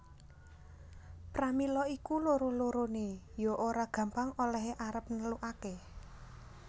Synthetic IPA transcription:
pɾamilɔikuloɾoloɾone | joʔoɾaɡ̥ä̤mpaŋolɛɦeʔaɾəp̚nəluʔake

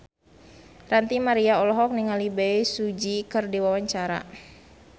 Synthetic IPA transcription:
rant̪imaɾiaɔlɔɦɔk̚niŋalibɛjsud͡ʒikɨrdiwawaɲt͡ʃaɾa̰

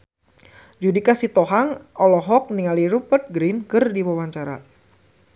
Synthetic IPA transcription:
d͡ʒudikasit̪ɔɦaŋɔlɔɦɔk̚niŋaliɾupərt̪̚ɡɾinkɨrdiwawaɲt͡ʃaɾa̰

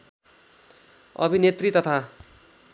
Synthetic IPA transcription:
ʌ̰bʱinet̪rit̪ʌt̪ʰa

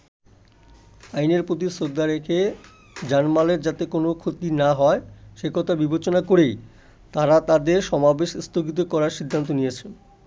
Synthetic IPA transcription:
ajneɾpɾot̪̬isod̪ʱːaɾekʰe | d͡ʑanmaleɾd͡ʑat̪ekonokʰot̪inaɦɔeʃekɔt̪ʰabibʱet͡ɕonakoɾej | t̪aɾat̪ad̪eɾʃɔmabeʃst̪ʰoɡit̪̬okɔɾaɾʃid̪ʱːant̪̬onijet͡ɕʰen

